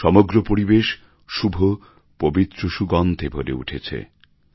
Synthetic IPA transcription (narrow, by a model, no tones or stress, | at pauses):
ʃɔmoɡɾopoɾibeʃ | ʃubʱo | pobit̪ːɾoʃuɡɔnt̪ebʱoɾḛṵʈʰet͡ɕʰḛ